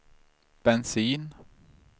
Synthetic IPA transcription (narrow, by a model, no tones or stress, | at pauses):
b̥ɛnsiːn